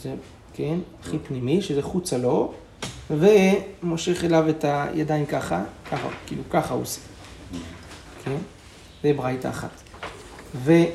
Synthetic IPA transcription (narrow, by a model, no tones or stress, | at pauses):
ze | kenaχipnimiʃezeχut͡salo̞ | vemo̞ʃe̞χe̞lave̞tajʔa̰dajnkaχakaχa̰kiːlukaχao̰se̥ | kʰe̞n | zebʁajtaːχa̰t | ve